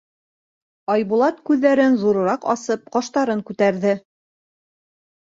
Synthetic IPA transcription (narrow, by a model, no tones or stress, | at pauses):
ɑjbulˠɑt̪kʉðːæɾɘnzuɾɤ̆ɾɑqɑ̰sɤp̚qɑʃt̪ɑɾɤŋkʉt̪æɾðɘ